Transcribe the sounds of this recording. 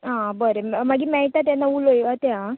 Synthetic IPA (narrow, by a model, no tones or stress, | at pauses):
ɦãbəɾemaɡimɛɭʈat̪̬janːaulojʋat̪ja